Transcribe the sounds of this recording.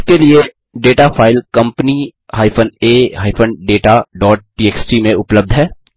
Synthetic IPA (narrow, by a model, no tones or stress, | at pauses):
kelie | ɖeːʈafʰaːɪlkɐ̃mpnihaːɪpʰəneːɦaːɪfʰənɖeːʈaɖɔːʈ̚ʈiːeːksʈimẽʊpləb̚d̪ʱɦɛː